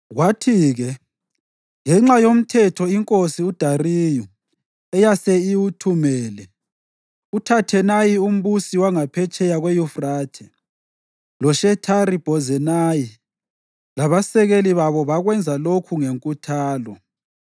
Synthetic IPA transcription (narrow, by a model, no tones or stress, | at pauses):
ɣwatʰiːɣɛ | ŋɛŋ͡ǁajom̩tʰɛtʰɔiŋkʼosiud̥ʱariju | ɛjasɛiwutʰumɛːlɛ | utʰatʰɛnajium̩βusiwaŋapʰɛt͡ʃʼɛjaɣwejufraːtʰɛ | lɔʃɛtʰaɾib̥ʱɔzɛnaji | laβasɛɣeliβaβɔβaɣwɛnd͡zʱalokʰuŋeŋkʼutʰaːlɔ